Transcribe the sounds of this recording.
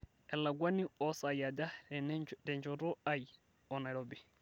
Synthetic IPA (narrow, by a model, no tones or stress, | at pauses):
ʔɛlːaɡwaniɔsajada | dɛɲd͡ʒɔɾɔaj | ɔnaɾɔbɛ